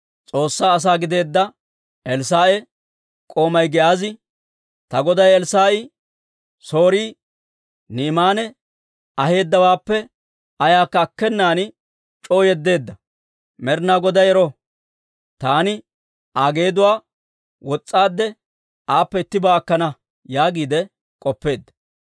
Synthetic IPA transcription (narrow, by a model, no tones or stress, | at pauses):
t͡sʼo̞ːsːaːs̬aːɡɪd̪e̞ːd̪ːɐ | ʔɛlsaːʔɛ | kʼo̞ːmɐjɡɛʔaːzɪ | t̪ɐɡɔd̪ɐjɛlsaːɪ | so̞ːɾiː | niːmaːnɛ | ɐhe̞ːd̪ːɐwaːpːɛ | ɐjaːkːɐːkːɛnːaːnɪ | t͡ʃʼo̞ːjɛd̪ːe̞ːd̪ːɐ | mɛɾnaɡɔd̪ɐjɛɾɔ | t̪aːnɪ | aːɡe̞ːd̪ʊwaː | wɔt͡sʼːaːd̪ːɛ | aːpːɛɪt̪ːɪbaːɐkːɐnɐ | jaːɡiːd̪ɛ | kʼɔpːe̞ːd̪ːɐ̥